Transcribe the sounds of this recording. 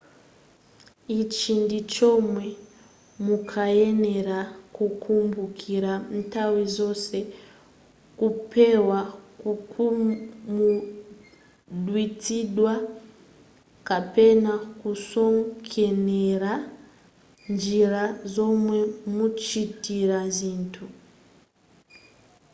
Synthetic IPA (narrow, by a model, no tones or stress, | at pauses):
it͡ʃindit͡ʃomwe | mukʰajeneɾakukʰumbukʰiɾan̩tawizo̞se̞ | kupʰe̞wakukumu | dwitidwa | kape̞nakuso̞ŋkʰe̞neɾa | nd͡ʒiɾazo̞mwe̞mut͡ʃitiɾaziːntʰu